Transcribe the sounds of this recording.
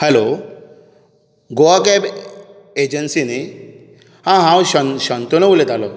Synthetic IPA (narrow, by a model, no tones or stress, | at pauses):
hɛlo | ɡoakɛp | ed͡ʑənsine | hãɦãwɕəɕənt̪onɔʋulet̪alɔ